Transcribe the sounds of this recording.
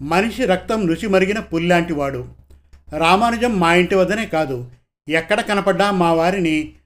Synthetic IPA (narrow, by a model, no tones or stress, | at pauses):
mɐniʂiɾɐk̚t̪ɐmnut͡ʃimɐɾiɡinɐpulːaːɳʈiʋaːɽu | ɾaːmaːnɐd͡ʒɐmːaːjiɳʈiʋɐd̪ɐne̞ːkaːd̪u | ɛkːɐɽɐkɐnɐpɐɖːaːmːaːʋaːɾini